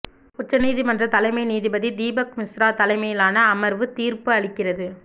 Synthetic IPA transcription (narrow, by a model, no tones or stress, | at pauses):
ʊʈːɐniːðimɐndrɐt̪ɐlɐɪmɐɪniːðɪbɐðid̪iːbɐkmɪsɾaːt̪ɐlɐɪmɐjɪlaːnɐːmɐɾʋɯt̪iːɾpɯɐɭɪkːɪrɐðɯ